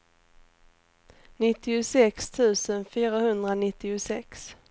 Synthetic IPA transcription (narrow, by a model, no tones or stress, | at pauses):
nɪt̪ːɪʊsɛkst̪ʰʉ̟ːsənfyːɾahɵnd̪ɾanɪt̪ːɪʊsɛks